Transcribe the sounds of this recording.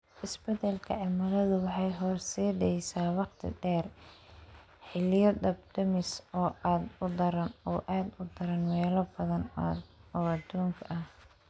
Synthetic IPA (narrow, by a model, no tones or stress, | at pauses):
ʔɪsbɛt̪ɛlkʰɐ̰ʕɪmɐlɐðʊwɑħɑjɦɔːrsɛːdɛjsaːwɑqt̪ʰɪ̰ɖɛːr | ħɪlɪjɔd̪ɐb̚d̪ɐmɪsɔːʔaːd̪ʊd̪ɐɾɐnɔːʔaːd̪ʊd̪ɐɾɐnwɛːlɐbɐðɐn | ɔːɐd̪uːŋkʰɐʔɐh